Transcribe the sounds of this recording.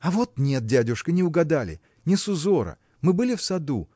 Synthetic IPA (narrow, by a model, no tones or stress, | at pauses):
ɐvo̞t̪̚nʲet̪̚dʲædʲʊʂkənʲɪʊɡɐd̪alʲɪ̰ | nʲɪsʊzo̞ɾə̰ | mɨbɨlʲɪfsɐd̪ṵ